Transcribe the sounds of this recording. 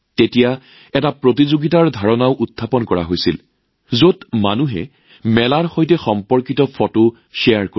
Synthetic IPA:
tetija | ɛtapɹotizoɡitaɹdʱaɹɔnaʊʔutʰːapɔnkɔɹa̰ɦojsḭl | zotmanuɦɛ̰ | mɛlaɹxojtɛxɔmpɔɹkitɔpʰɔto | ʃejaɹko

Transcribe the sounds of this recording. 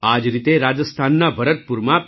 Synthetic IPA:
ad͡ʒɾit̪eɾad͡ʒəst̪ʰanːabʱəɾət̪̚puɾma

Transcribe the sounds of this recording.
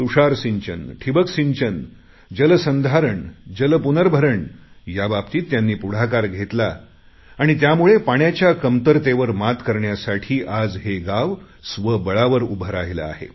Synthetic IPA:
t̪uʂaɾsiɲt͡ɕənʈʰibəksiɲt͡ɕən | d͡ʑələsənd̪ʱaɾəɳd͡ʑələpunəɾbʱəɾəɳ | jabapt̪iːt̪ːjanːiːpuɽ̤akaɾɡʱet̪laː | ɽ̃it̪̬jamuɭepaɳjat͡ɕjakəmt̪əɾt̪eʋəɾmat̪kəɾɳjasaʈʰiːʔad͡zɦeɡaʋ | sʋəbəɭaʋəɾubʱəɾaɦila̰a̰ɦḛ

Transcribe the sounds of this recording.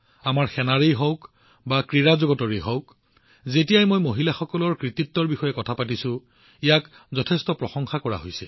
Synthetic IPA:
amaɹxɛnaɹijɦɔwk | bakɹiɹazoɡɔtɔɹijɦɔwk | zetijajmojmoɦilaxɔkɔlɔɹkɹit̪itːɔɹbixɔjɛkɔtʰapatisʊ̃ | ijak | zɔtʰɛstɔpɹɔxɔŋxakɔɹa̰ɦojsɛ̰

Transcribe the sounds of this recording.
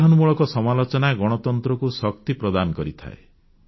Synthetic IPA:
ɦɔnmuɭɔkɔsɔmalot͡ʃɔnaɡɔɽ̃ɔt̪ɔnt̪ɾɔkusɔkt̪ipɾɔd̪anɔkɔɾit̪ʰa̰e

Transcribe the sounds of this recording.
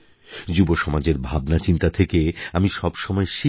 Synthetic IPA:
d͡ʑuboʃɔmad͡ʑeɾbʱabnat͡ɕint̪at̪ʰekeamiʃɔbʃɔmɔeʃi

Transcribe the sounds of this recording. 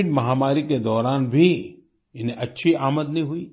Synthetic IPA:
ʈmɐɦaːmaːɾiked̪ɔːɾaːnbʱi | ɪnẽʔɐtːʃʰiaːməd̪nɐɦĩɦʊiː

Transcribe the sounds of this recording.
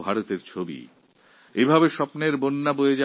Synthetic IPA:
bʱaɾot̪eɾt͡ɕʰobḭ | ebʱabeʃɔpneɾbonːabojed͡ʑa

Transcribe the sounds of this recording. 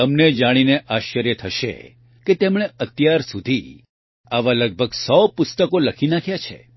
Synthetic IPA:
əmned͡ʒaɽ̃ineʔaʃːəɾjət̪ʰəʃḛ | ket̪emɽ̃eət̪jaɾsud̪ʱi | aʋaləɡ̚bʱəɡsɔpʊst̪əkoləkʰinãkʰjat͡ʃʰḛ

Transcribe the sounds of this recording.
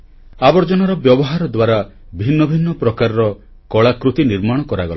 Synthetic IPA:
abɔɾd͡ʒɔnɔɾɔbjɔbɔɦaɾɔd̪waɾa | bʱinːɔbʱinːɔpɾɔkaɾɔɾɔ | kɔɭakɾut̪iniɾmaɽ̃ɔkɔɾaɡɔla

